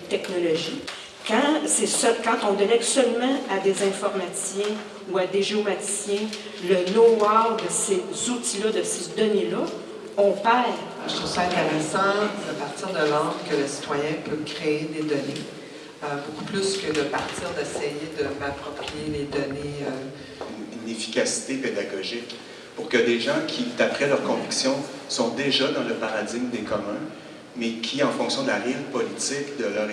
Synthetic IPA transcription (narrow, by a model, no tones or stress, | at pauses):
t̪ɛknɔlɔʒi | kɑ̃sesœlkɑ̃t̪ɔ̃d̪elɛɡsœlmɑ̃ad̪ezɛ̃fɔʁmassjɛ̃ | uad̪eʒeomat̪i̥sjɛ̃ | lənowɔad̪əsezut̪ilʌd̪əsed̪ɔnelʌ | ɔ̃pɛːʁ | ʒə̥t̪ʁuvsʌɛ̃t̪eʁɛsɑ̃d̪apaʁt̪iːʁd̪əlɑ̃d̪kʲələsi̥t̪wajɛ̃pøkʲʁeed̪ed̪ɔne | əboku̥plyskʲəd̪əpaʁt̪iːʁd̪ɛsɛjed̪əmapχɔpʁijeled̪ɔneø | nynefi̥kʲasi̥t̪eped̪aɡɔʒɪk | pʊʁkəd̪eʒɑ̃kʲʰid̪apχɛlœʁkɔ̃viksjɔ̃sɔ̃d̪eʒad̪ɑ̃ləpaʁad͡z̪ɪɡ̚md̪ekɔmɛ̃ | mɛkʲʰiɑ̃fɔ̃ksjɔ̃d̪əlaʁɪlpɔlit͡s̪ɪkd̪əlœːʁ